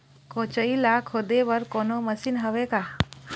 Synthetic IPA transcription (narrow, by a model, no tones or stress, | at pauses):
kot͡ʃəilakʰod̪ebəɾkonoməsinɦəʋeka